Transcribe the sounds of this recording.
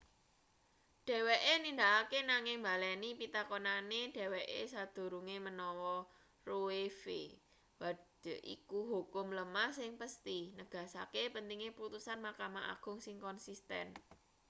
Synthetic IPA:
ɖ̥ɛ̤weʔenind̪aakenaŋɪŋmbalɛnipit̪akonaneɖ̥ɛ̤weʔesad̪̥o̤ɾuŋemənɔwɔ | roefḛ | wad̥ə̤ʔḭkuɦokʊmləmahsɪŋpəst̪inəɡ̥ä̤sa̰kepənt̪iŋepəɾut̪usanmakamaʔa̰ɡ̥ʊ̤ŋsɪŋkɔnsist̪ɛ̰n

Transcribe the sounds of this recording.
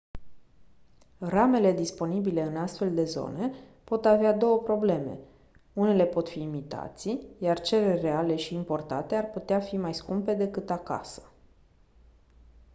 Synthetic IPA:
rame̞le̞d̪ispo̞nibile̞ɨnast̪fe̞ld̪e̞zo̞̰ne̞ | po̞t̪avead̪o̞wəpɾo̞ble̞me̞̰ | une̞le̞po̞t̪fiːmit̪a̰t̪sijart͡ʃe̞ɾerre̞ale̞ʃiːmpo̞rt̪a̰t̪e̞arput̪eafimajskumpe̞d̪e̞kɨt̪aka̰sə̥

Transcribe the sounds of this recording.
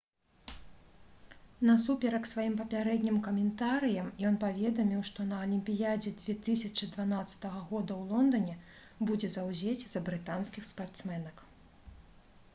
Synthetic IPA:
nɐsupʲɛɾɐksvajimpɐpʲaɾɛd̪ʲnʲimkɐmʲɛnt̪aɾɨjɐmjɔnpavʲɛd̪ɐmʲiwʂt̪ɔnɐɐlʲimʲpʲijad͡zʲɛd͡zʲvʲɛt̪ɨsʲɐt͡ʂɨd̪vanat̪sːɐ̥t̪ɐɣɐɣɔd̪ɐwlˠɔnd̪ɐnʲɛ | bud͡zʲɛzawzʲet͡sʲz̥ɐbɾɨt̪anskʲixspart̪smɛnɐk

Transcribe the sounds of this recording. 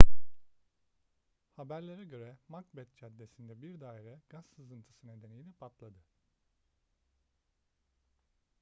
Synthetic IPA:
habæɾlʲeɾɛɟø̞ɾɛmakbɛt̪̚t͡ʃʰad̪ːe̞sind̪ɛbiɾd̪aːiɾɛɡ̥asːɯzɯnt̪ʰɯ̥sɯne̞d̪e̞nejilɛpʰat̪lˠad̪ɯ

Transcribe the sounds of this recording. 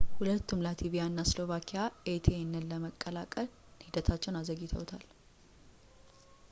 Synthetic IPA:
hulət̪ːumlat̪ʰiβijanːaslo̞βakʰijaʔet̪ʰenːəlːəməkʼːəlakʼəl | hid̪ət̪ʰat͡ʃːɛwnazəɡɪt̪ʰə̰wt̪ʰal

